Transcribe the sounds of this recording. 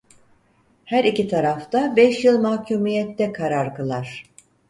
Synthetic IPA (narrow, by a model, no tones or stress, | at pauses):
hæɾicit̪ʰaɾaft̪abɛʃjɯlˠmahcʰuːmijɛt̪ːɛkʰaɾaɾkɯlˠaɾ̥